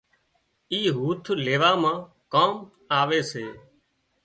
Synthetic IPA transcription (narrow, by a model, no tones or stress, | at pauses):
iːɦuːt̪ʰleːʋaːmãː | kaːm | aːʋeːseː